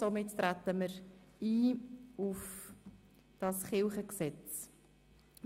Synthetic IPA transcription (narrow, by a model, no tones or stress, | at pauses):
somɪttɾætəməɾiːuf | d̥ɑsχɪlχəksɛt͡s